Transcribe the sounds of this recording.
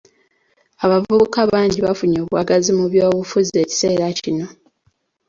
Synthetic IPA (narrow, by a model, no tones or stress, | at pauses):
aβavuβukaβaːɲɟiβafuɲo̞ːβwa̰ɡazimuβjo̞ːβufuzie̞ːci̥se̞ːɾacino̞